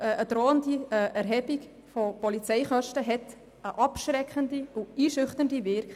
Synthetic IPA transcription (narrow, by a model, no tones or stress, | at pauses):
əʔədɾoːəndiəʔæɾɦɛbik | fopɔlit͡sɛɪχœʃtəɦɛt | əʔɑpʃɾɛkʰəndiuiːʃʏχtəndiʋɪɾk